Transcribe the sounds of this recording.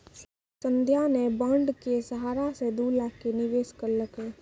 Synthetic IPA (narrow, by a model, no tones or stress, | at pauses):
sə̃nd̪ʱjanebəɳɖkesəɦaːɾased̪uːlakenɪʋeːskəɾləkeː